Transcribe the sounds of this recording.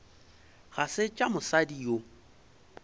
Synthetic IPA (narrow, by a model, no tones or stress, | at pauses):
ɣasɪt͡ʃʼamʊsadio